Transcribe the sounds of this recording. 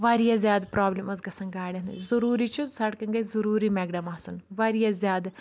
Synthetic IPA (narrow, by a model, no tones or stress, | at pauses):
ʋaːɾijazjaːd̪pɾaːblimɐzɡɐsɐŋɡaːɽʲɐnzɐɾuːɾiːt͡ʃʰuzsɐɽkɐŋɡɐzɐɾuːɾiːmɛːɡɖɐmaːsunʋaɾijazjaːd̪